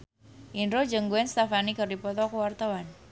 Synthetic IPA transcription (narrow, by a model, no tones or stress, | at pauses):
ʔinɾod͡ʒəŋɡuɛnst̪afanikərdipɔt̪ɔkuwart̪awan